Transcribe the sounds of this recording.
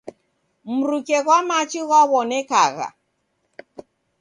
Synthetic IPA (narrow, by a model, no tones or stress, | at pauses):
m̩ɾukɛɣwamat͡ʃiɣwaβɔnɛka̰ɣa̰